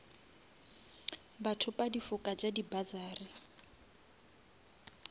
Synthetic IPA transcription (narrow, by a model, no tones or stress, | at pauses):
batʰʊpʼadifʊkʼad͡ʒadibazaːrɪ